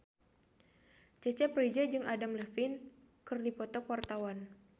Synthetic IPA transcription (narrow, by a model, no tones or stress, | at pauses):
t͡ʃɛt͡ʃɛpred͡ʒɛd͡ʒɨŋʔadamləfɪn | kɨrdipɔt̪ɔkwart̪awan